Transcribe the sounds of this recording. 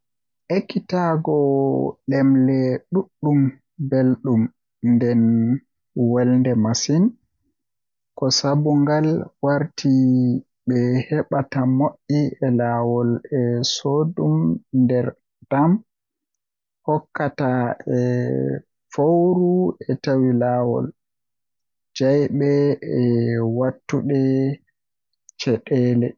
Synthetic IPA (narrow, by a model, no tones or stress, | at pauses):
ʔekːitaɡɔɗɛmlɛɗuɗːum | belɗum | ndɛn | wɛlndɛmasin | kɔsabuŋɡalwaɾtʰi | ɓɛhɛɓatamoʔːiɛlaːwɔlɛsodumndɛɾ | d̥am | hɔkːataɛ | fowɾuɛtawilaːwɔ̰l | d͡ʒajɓɛɛwatːuɗɛ | t͡ʃɛɗɛːlɛ